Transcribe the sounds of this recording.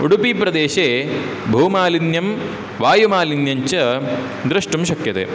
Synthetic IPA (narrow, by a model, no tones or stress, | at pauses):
uɽupipɾɐd̪eːʃeː | bʱuːmaːlinjɐm | ʋaːjumaːlinjɐɲt͡ʃɐ | d̪ɾɐʂʈumʃɐkjɐt̪ḛː